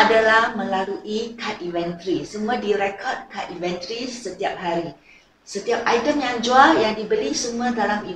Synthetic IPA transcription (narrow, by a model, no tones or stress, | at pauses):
adalahmə̃laluʔikʰat̪̚ivɛnt̪ɾisəmũãdiɾɛkʰɔrd̚kʰat̪ivɛnt̪ɾisət̪iap̚ɦaɾi | sət̪iap̚ajtəmjaŋd͡ʒualjaŋdibəlisəmũãdalami